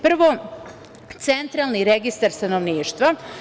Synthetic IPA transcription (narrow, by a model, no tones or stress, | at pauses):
pr̩ʋo | t̪se̞nt̪ɾaːlˠniɾeɡist̪aɾst̪anoʋniːʃt̪ʋa